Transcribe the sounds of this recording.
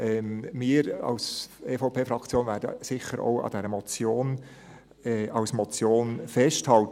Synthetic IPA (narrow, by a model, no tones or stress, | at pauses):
ʔɛːmɪːɾɑ̰ʊseːfoʊpʰeːfɾɑkt͡sjoːnvæːɾdə̰sɪχəɾʔo̰ʊɑ̰d̥ɛɾəmɔt͡sjoːn | ɛɑwsmɔt͡sjoːnfɛsthɑlt